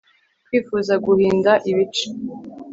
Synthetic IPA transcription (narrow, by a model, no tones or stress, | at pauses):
kwiːfuːzaɡuhiːndaʔiβit͡ʃe̥